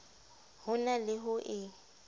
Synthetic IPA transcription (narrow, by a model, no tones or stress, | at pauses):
hʊnalɪɦʊʔɪ